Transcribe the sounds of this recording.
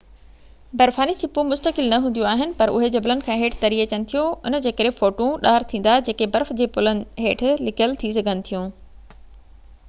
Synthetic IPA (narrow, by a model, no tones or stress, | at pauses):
bɐɾfaːnit͡ɕʰɪpũmʊst̪əkɪlnɐɦũːnd̪jũaːɦɪnɪ̆pɐɾʊ̰ɦed͡ʑɐblənɪ̆kʰãːɦeːʈʰt̪ɐɾiːɐt͡ɕənɪ̆t̪ʰijoʊnəd͡ʑeːkɐɾɦẽfoːʈũɗaːɾt̪ʰĩːn̆d̪ad͡ʑeːkebɐɾfd͡ʑeːpʊlənɪ̆ɦeːʈʰlɪkʰjəlt̪ʰis̬ɐɡʱənɪ̆t̪ʰijũː